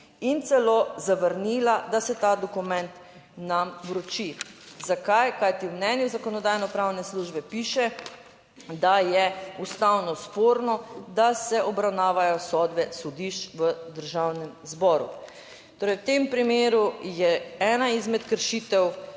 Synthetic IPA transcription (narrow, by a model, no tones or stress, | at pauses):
int̪sɛlozaʋəɾnilad̪asɛt̪aːd̪ɔkumɛ̃nt̪ | namwɾɔt͡ʃizakajkajt̪iwmnɛːnjuzakɔnɔd̪aːjnɔpɾawnɛsluʒbɛpiːʃɛ | d̪ajɛust̪awnɔspoːɾnɔd̪asɛʔɔbɾawnaːʋajɔsɔd̪bɛsɔd̪iʃt͡ʃʋəd̪əɾʒawnɛmzbɔːɾṵ | t̪oːɾɛjwt̪empɾimeːɾujɛɛːnaizmɛt̪kəɾʃiːt̪ɛw